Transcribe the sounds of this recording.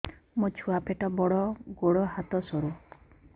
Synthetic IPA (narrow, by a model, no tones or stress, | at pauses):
mot͡ʃʰuapeʈɔbɔɽɔɡoɽɔɦat̪ɔsɔɾu